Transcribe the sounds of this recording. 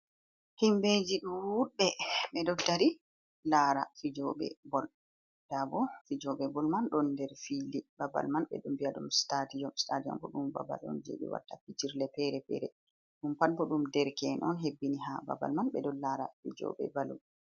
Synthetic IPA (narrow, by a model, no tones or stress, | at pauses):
himbed͡ʒiɗuwuɓɛmɛdɔdaɾi | laɾa̰fid͡ʒɔɓɛ̰bɔl | d̥abɔfid͡ʒɔɓɛbɔlmanɗɔndɛɾfilibaba̰lmanɓɛ̰ɗumbiaɗumstatijɔmstadiɔ̰mbɔɗumba̰ba̰lɗɔ̰nd͡ʒḛɓɛ̰wa̰tːapitiɾlɛpɛɾɛpɛ̰ɾɛ | ɗumpalbɔɗumdɛɾkɛnɔnɦebːiniɦaba̰ba̰lmanbɛdɔnlaɾa̰fid͡ʒɔ̰ɓɛ̰balum